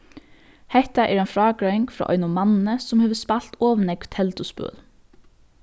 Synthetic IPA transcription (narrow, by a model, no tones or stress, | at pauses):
hɛht̪aʔɛɾɛjnfɹɑːkɹœɪŋkfɾɔ̰ːʔɔ̰ʏnʊmanɪnəsʊmheːʋəspal̥t̪ɔːʋnɛkt̪ʰɛlt̪ʊspœ̰ːl